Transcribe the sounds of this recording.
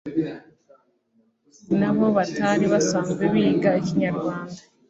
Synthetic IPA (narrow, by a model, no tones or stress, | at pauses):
naβo̞βataːɾiβasamβeβiːɡaeciɲaɾɡwaːnda